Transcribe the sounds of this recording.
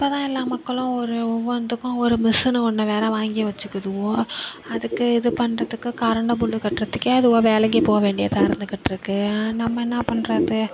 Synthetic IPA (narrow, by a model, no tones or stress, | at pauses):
ɪpːoːt̪ãːɪlːaːmɐkːɐɭʊ̃ɔɾɯɔʋːɐnd̪ɯkːʊ̃ɔɾɯmɪsɯnɯkɔɳːɐʋeːɾɐʋaːŋɡɪjɐʋɐt͡ʃːɯkːɯðɯɣõːɐðɯkːɯɪðɯpɐɳrɐðɯkːɯkɐɾɐɳɖɐbʊɭːɯkɐʈːrɾɐt̪ːɯkːeɐðɯɣoːʋeːlɐŋɡipoːʋeːɳɖɪjɐt̪ãːɪɾɯnd̪ɯkːɪʈːɪɾɯkːɯnɐmːɐɛnːɐpɐɳɾɐðɯ